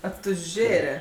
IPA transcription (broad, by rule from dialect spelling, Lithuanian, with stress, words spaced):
ɐtʊˈʒʲeːrʲɛ